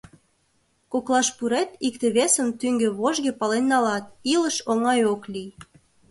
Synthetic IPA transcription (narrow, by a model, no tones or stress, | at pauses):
koklɑʃpuɾet̪ik̚t̪eβesəmt̪yŋɡeβoʒɣepɑlenːɑlɑt̪̚iləʃoŋɑjoklʲij